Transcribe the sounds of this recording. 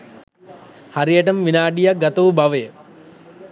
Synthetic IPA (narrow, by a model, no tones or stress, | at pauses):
haɾijəʈ̬ɐmʋinaːɖijak̚ɡat̪ɐʋubaʋəjə